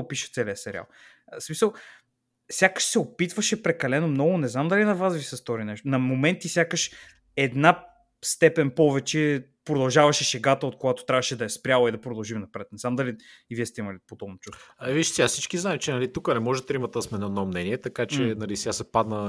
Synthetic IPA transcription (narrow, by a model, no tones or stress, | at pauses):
opiʃə̥t̪sɛliəsɛɾʲia̰lˠ | smisəlˠ | sʲjakə̥ʃsɛopit̪vɐʃɛpɾɛkɐlɛnomnɔɡʊnɛznamd̪ɐlinɐvasvisɛst̪oɾinɛʃt̪onɐmomɛnt̪isʲjakəʃ | ɛd̪na | st̪ɛpɛnpɔvɛt͡ʃɛ | pɾod̪ɐlˠʒavɐʃɛʃɛɡat̪əot̪̚koɡat̪ot̪ɾʲavɐʃɛd̪ɐɛspɾʲalˠəid̪ɐpɾod̪ɐlˠʒimnɐpɾɛt̪nɛznamd̪ɐliː | viɛst̪ɛimɐlipod̪ɔbnot͡ʃust̪viʃsiasit͡ʃkiznaɛt͡ʃɛnɐlit̪ukənɛmɔʒɛt̪ɾimɐt̪ɛsmɛnɔɛnɔmnɛniɛt̪ɐkat͡ʃɛnɐlisɛɡasɛpad̪nə